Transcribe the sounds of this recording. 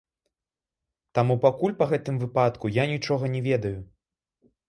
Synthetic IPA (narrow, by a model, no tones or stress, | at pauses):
t̪amupakulʲpɐɣɛt̪ɨmvɨpat̪kujanʲit͡ʂɔɣɐnʲɛvʲɛd̪ɐju